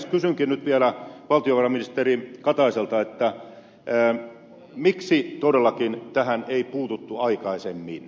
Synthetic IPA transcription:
skysyŋkinnyt̪ʋiælæʋɑlt̪ijoʋɑrɑminist̪erikɑt̪ɑiselt̪ɑet̪ːæː | miksit̪odelːɑkint̪æhæneipuːt̪ut̪ːuɑikɑisemːiːn

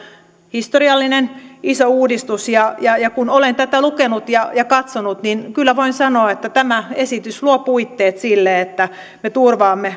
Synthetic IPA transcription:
hist̪oriɑlːinenisouːdist̪usjɑjɑjɑkunolent̪æt̪ælukenut̪jɑjɑkɑt̪sonut̪ninkylːæʋoinsɑnoɑet̪ːæt̪æmæesit̪ysluopuit̪ːeːt̪silːeet̪ːæ | met̪urʋɑːmːe

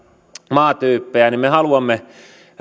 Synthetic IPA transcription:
mɑːt̪yːpːeænimmehɑluɑmːe

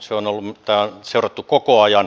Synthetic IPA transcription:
seonolːumt̪æonseurɑt̪ːukokoɑjɑn

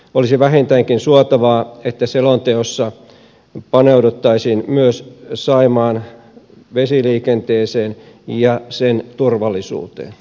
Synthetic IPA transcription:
olisiʋæɦent̪æŋkinsuɑt̪ɑʋɑːet̪ːæselont̪eosːɑ | pɑneudut̪ːɑisiːnmyøssɑimɑːn | ʋesiliːkent̪eːseːn | jɑsent̪urʋɑlˑːisṵːt̪ḛːn

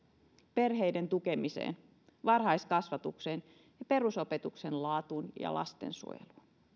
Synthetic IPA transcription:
perɦejdent̪ukemisḛːn | ʋɑrhɑiskɑsʋɑt̪uksen | jɑpe̞rusopet̪uksenlɑːt̪unjɑ̰lʔɑ̰st̪ḛnsṵo̰jḛlun

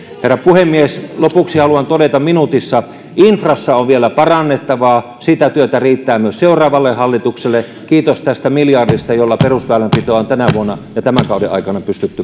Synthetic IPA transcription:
herːɑpuhemːieslopuksihɑluɑnt̪odet̪ɑmminut̪isːɑ | ʔinfrɑsːɑoʋʋielæpɑrɑnːet̪ːɑʋɑː | sit̪æt̪yøt̪æriːt̪ːæːmyøsseurɑːʋɑlːehɑlːit̪ukselːe | kiːt̪ost̪æst̪æmiljɑrdist̪ɑjolːɑperusʋæːlæmpit̪oːont̪ænæʋuonːɑjɑt̪æmæŋkɑˑudḛʔɑ̰ikɑnɑpyst̪yt̪ːy

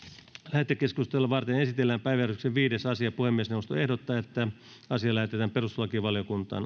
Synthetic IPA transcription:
læhet̪ːekeskust̪elːɑʋɑrt̪enesit̪elːæːmpæiʋæjærykseʋʋiːdesɑsiɑpuhemːiesnewuost̪o̰ehdot̪ːɑːet̪ːæ | ɑsiɑlæhet̪et̪æːmperuslɑkiʋɑljokunt̪ɑ̰ːn

